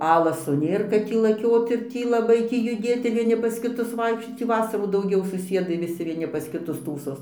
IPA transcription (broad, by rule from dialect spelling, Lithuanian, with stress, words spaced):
ˈɑːlˠɐsoː ˈnʲeːr kɐt ˈtʲiː lˠɐˈkʲoːt ɪr ˈtʲiː lˠɐˈbɐɪ ˈtʲiː jʊˈdʲeːt ɪr ʋʲiɛˈnʲɪ pɐs kʲɪˈtʊs ˈʋɐɪkʃʲt͡ʃʲoːt ˈtʲiː ˈʋɑːsɐruː dɐʊˈɡʲɛʊ sʊˈsʲiɛdɐɪ ʋʲɪˈsʲɪ ʋʲiɛˈnʲɪ pɐs kʲɪˈtʊs ˈtuːsoːs